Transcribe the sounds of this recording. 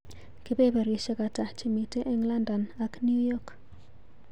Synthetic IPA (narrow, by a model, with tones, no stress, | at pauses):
ke˨be˦ba˨ɾi˨ʃa˨ka˨ta˨t͡ʃi˨mi˨te˦ʔɛ˦ŋla˦nda˨na˨knju˦jɔk